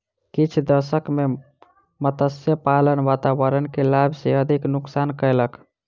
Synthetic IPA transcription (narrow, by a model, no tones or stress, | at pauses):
kit͡ʃʰd̪əsəkme | mət̪əsjəpalənʋat̪aʋəɾənkelabʱseəd̪ʱiknuksankəjlək